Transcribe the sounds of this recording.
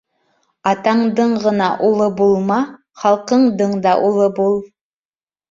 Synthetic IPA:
ɑt̪ɑɴd̪ɤɴʁɤ̆nɑʔulˠɤbulˠmɑ | χɑlˠqɤɴd̪ɤɴd̪ɑʔulˠɤbulˠ

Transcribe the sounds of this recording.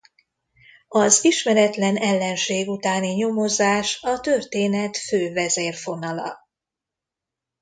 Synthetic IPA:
ɒziʃmɛɾɛt̪lɛnɛlːɛnʃeːɡut̪aːniɲo̞mo̞zaːʃɒt̪ø̞rt̪eːnɛt̪føːvɛzeːrfo̞nɒlɒ̰

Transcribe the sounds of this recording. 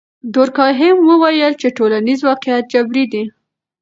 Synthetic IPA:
d̪oɾkɑɦɪmwəwajəlt͡ʃeʈolanizwɑqɪjat̪̚d͡ʒabɾid̪i

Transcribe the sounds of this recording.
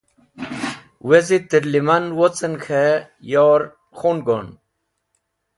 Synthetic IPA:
wezit̪iɾlimanwot͡sənkʰe | joɾ | xonɡon

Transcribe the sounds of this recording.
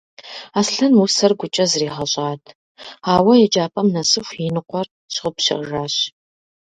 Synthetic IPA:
aːsɬɐnwʊsɐrɡʷʊt͡ʃʼɐzriːχɐɕʼaːtʰ | aːwɐjɛt͡ʃʼaːpʰʼɐmnɐsɨxʷinɨqʷɔr | ɕʁʊpɕɐ̰rʒaːɕ

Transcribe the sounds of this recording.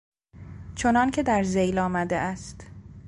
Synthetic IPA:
t͡ʃʰo̞nɒːncʰe̞d̪æɾzejlɒːmæd̪ḛʔæst̪

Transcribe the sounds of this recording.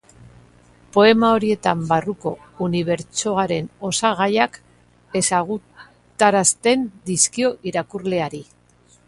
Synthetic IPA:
po̞e̞mao̞ɾie̞t̪ambaruko̞ | uniβ̞e̞ɾt͡ʃo̞aɾe̞no̞saɣ̞ajak | e̞saɣ̞u | t̪aɾast̪e̞nd̪iskio̞ʔiɾakurle̞aɾi

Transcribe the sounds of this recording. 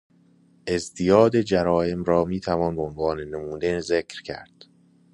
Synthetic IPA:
ʔe̞zd̪ijɒːd̪ed͡ʒæɾɒːje̞mɾɒːmiːt̪ʰævɒːnbeonvɒːnenemuːd̪ezekʰɾcʰæ̰ɾd̪̥

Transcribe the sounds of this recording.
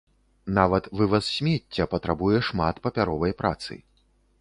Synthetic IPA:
navɐt̪vɨvɐssʲmʲetʲːɐpɐt̪ɾabujɛʂmat̪pɐpʲaɾɔvɐjpɾa̰t̪sɨ̰

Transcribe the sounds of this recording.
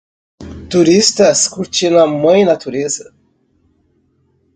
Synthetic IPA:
t̪uɾist̪ɐskuɾt͡ʃinɐmɐ̃j̃nat̪uɾezɐ

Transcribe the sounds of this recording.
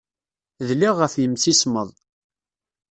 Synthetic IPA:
ðliʁːəfjəmsisməðˤ

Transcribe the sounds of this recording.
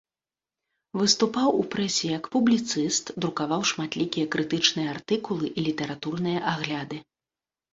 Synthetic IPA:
vɨst̪upawupɾɛsʲɛjɐkpublʲit̪sɨst̪d̪ɾukavawʂmat̪lʲikʲijɐkɾɨt̪ɨt͡ʂnɨjɐart̪ɨkulˠɨʔilʲit̪ɛɾat̪urnɨjɐʔaɣlʲad̪ɨ

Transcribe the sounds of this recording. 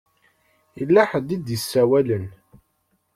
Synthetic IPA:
jəlːæħəd̪ːid̪jəsːæwælən

